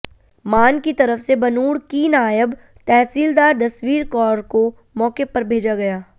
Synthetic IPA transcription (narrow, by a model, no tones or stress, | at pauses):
maːnkit̪ɐɾəfsebɐnuːɽkiːnaːjəb | t̪ɛːsiːld̪aːɾd̪ɐswiːɾkɔːɾko | mɔːkepɐɾbʱeːd͡ʒaɡɐjaː